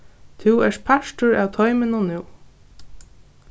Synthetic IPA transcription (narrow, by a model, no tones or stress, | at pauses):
t̪ʰuwɛʂpʰaʃʈʊɹæːwt̪ʰɔjmɪnʊnuw